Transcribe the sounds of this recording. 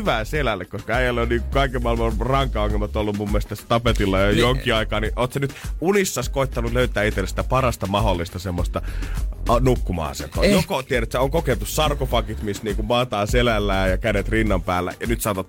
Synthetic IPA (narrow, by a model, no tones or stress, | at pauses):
yʋæːselælːekkːoskɑæijælːeonniːŋkukɑikemːɑelmɑrɑŋkˑɑɑŋːelmɑt̪olːummumːelst̪æsːæt̪ɑpet̪ilːɑjojoŋkiɑikɑːniʔoːt̪senyt̪unisːɑskoit̪ːɑnuløyt̪æːit̪ːelesi̥t̪æpɑɾɑst̪ɑmɑholːist̪ɑsemːost̪ɑɑnukːumɑ̰ːsḛnt̪ˑo̰ːjokot̪ieɾæt̪sæoŋkoket̪ussɑrkofɑkit̪mist̪niːŋkummɑːt̪ɑːselælːæːjɑkænet̪rinːɑmpæːlːæ̰jɑnyt̪sɑˑot̪ɑt̪